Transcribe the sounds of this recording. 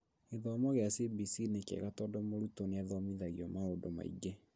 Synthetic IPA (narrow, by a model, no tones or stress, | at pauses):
eðɔmɔɣeasibisinekɛ̰ɣatɔdɔmoɾutoneaðɔmiðaɣiɔmaodoma̰ḭɡɛ